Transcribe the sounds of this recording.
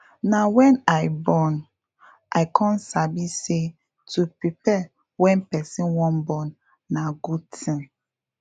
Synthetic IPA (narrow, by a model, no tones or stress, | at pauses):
nawɛ̃naɪbɔn | ʔaɪkʰɔ̃nsabise | tupɹipɛ | wɛ̃npɛsĩnwɔ̃nbɔnː | aɡud̚tʰĩn